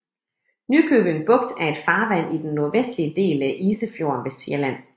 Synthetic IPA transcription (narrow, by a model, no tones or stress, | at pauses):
nykʰøːb̥eŋb̥ɔ̽ɡ̥̚d̥æɐe̝d̥fɑ̈ːʋæn̰id̥enːoɐʋesd̥liəd̥e̝̰ːlæʔiːsəfjo̝ɐnʋe̝siɐlæn̰